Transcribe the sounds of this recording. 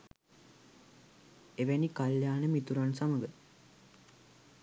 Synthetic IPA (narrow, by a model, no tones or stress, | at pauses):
eʋenikaljaːnəmit̪uɾansaməɡə